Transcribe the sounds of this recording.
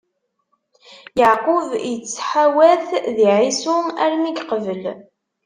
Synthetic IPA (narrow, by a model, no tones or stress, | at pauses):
jəʕqʊvjət͡sːħawæθðiʕisʊæɾmiɡqəvəl